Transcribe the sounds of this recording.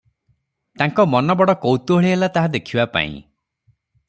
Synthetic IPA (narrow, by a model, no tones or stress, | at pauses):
t̪aŋkɔmɔnɔbɔɽɔkowt̪uɦeɭiɦelat̪aɦad̪ekʰibapa̰ḭ̃